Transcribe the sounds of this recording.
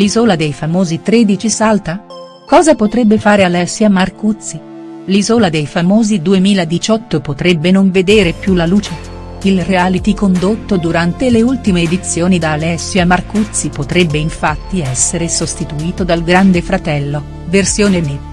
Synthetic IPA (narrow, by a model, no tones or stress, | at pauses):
lizoːlad̪ejfamoːzit̪ɾeːd̪it͡ʃisalt̪a | kɔːzapot̪ɾɛbːefaːɾealɛsːjamarkut̪sːi | lizoːlad̪ejfamoːzid̪uemiːlad̪it͡ʃɔt̪ːopot̪ɾɛbːenoɱved̪eːɾepjulaluːt͡ʃe | ilrealit̪ikond̪ot̪ːod̪uɾant̪eleult̪imeːd̪it̪sːjoːnid̪aːlɛsːjamarkut̪sːipot̪ɾɛbːeiɱfat̪ːiɛsːeɾesost̪it̪uiːt̪od̪alɡɾand̪efɾat̪ɛlːo | versjoːnene